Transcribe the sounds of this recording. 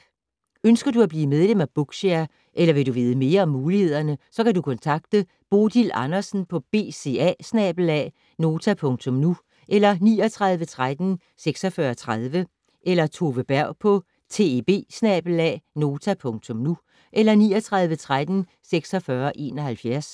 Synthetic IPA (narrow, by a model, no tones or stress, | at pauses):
ønsɡ̥ɐduæb̥liːmeð̞ˠlem̰æb̥ɔɡ̥ɕeɐ | ʔelɐʋe̝ɾuʋeːð̞ˠəme̝ːɐɒ̽mːuːlihe̝ð̰ˠɐnəsɒ̽kʰædukʰɔ̽nt͡sʰɑ̈ɡ̥̚d̥ə | b̥o̝ːd̥ilɑ̈nɐsn̩pʰɒ̽b̥e̝̰ːse̝̰æsnɛ̰ːb̥l̩ɛ̰ | no̝ːt͡sʰæpʰɔ̽ŋt͡sʰɔ̽mnu | ʔelɐniːɒt͡sʰʁɑ̈ð̞ˠʋət͡sʰʁad̥n̩ | seɡ̥sɒ̽fɶːɐt͡sʰʁað̞ˠʋə | ʔelɐt͡sʰo̝ʋəb̥æɐ̰ʊ̰pʰɒ̽ | t͡sʰe̝b̥e̝̰ːsnɛːb̥lɛ̰no̝ːt͡sʰæpʰɔ̽ŋt͡sʰɔ̽mnu | ʔelɐniɒt͡sʰʁɑ̈ð̞ˠʋət͡sʰʁad̥n̩ | seɡ̥sɒfɶɐʔe̝̰ːnɒ̽hælfjæɐs